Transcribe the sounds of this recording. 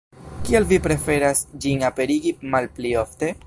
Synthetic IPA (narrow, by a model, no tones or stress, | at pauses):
kielvipɾe̞fe̞ɾasd͡ʒinape̞ɾiɡimalplio̞fte̞